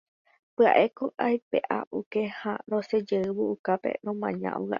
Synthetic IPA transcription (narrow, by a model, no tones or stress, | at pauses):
pɨa̰ʔe̞kõʔajpeʔaʔukehaɾõsed͡ʒeɨβoukape̞̰ɾõmãɲã̰ʔo̰ɣa̰ʔ